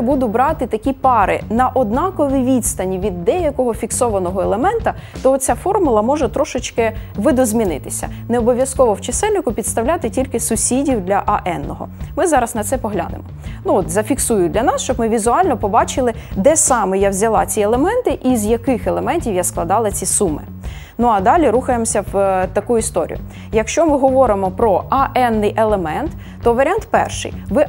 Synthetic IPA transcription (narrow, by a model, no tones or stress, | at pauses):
bud̪ʊbɾɑt̪ɪt̪ɐkʲipɑɾɪ̰nɐʔɔd̪nɑkɔʋʲiʋʲid̪st̪ɐnʲiʋʲid̪ːɛjɐkɔɦɔfʲiksɔʋɐnɔɦɔelˠemɛnt̪ɐ | t̪ɔɔt͡sʲafɔrmʊlˠɐmɔʒɛt̪ɾɔʃɪt͡ʃkɪʋɪd̪ɔzʲmʲinɪt̪ɪ̥sʲɐ̰neɔbɔʋʲjɐskɔʋɔwt͡ʃɐsɛlʲnɪkʊpʲid̪st̪ɐwlʲat̪ɪtʲilʲkɪsʊsʲidʲiwd̪lʲɐʔɐʔɛnːɔɦɔ̰mɪzɑɾɐsnɐt̪sɛpɔɦlʲa̰nɪ̰mɔnuɔt̪zɐfʲiksujʊd̪ʲlʲɐnɑsʃt͡ʃɔbmɪʋʲizʊɑlʲnɔpɔbɑt͡ʃɪlˠɪ | d̪ɛsɑmɪjawzʲɐlˠɑ̰t͡sʲielˠemɛnt̪ɪʔizjɐkɪxɛlˠemɛnʲtʲiwjasklˠɐd̪ɑlˠɐt͡sʲisumɪ̰ | nuɐd̪ɑlʲiɾuxɐjemɔsʲɐwt̪ɐkujʊist̪ɔɾʲḭjʊ̰ | jɐkʃt͡ʃɔmɪɦɔʋɔɾɪmɔpɾɔɐʔɛnːɪjʔelˠemɛnt̪ː | ɔʋɐɾʲant̪pɛ̰rʃɪ̰jʋɪ